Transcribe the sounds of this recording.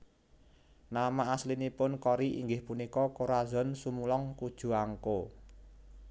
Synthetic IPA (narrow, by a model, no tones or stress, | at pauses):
namaːslinipʊnkɔɾiʔiŋɡɪhpunikɔkoɾazɔ̤nsumulɔŋkud̥ʒ̥ṳaŋko